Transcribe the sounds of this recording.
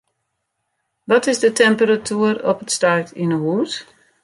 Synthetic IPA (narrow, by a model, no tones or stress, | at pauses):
ʋɔtɪzdətɛmpəɾatʰyəɾɔpətstartinəɦuːt